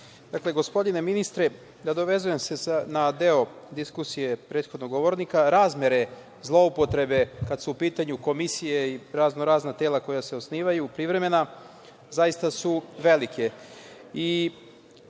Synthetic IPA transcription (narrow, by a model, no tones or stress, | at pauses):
d̪̥akle̞ɡo̞spo̞d̪ine̞minist̪ɾe | d̪ad̪o̞ʋe̞zuje̞mse̞snad̪e̞o | d̪iskusije̞pɾe̞ːt̪xo̞d̪no̞ɡo̞ʋo̞ɾnikaɾaːzmje̞ɾe̞ | zlˠo̞upo̞t̪ɾe̞be̞kad̪suupiːt̪aɲuko̞misijeiɾazno̞ɾaːznat̪eːlˠako̞jaseo̞sniːʋajupɾiʋɾe̞me̞na | zajist̪asuʋe̞like̞ | i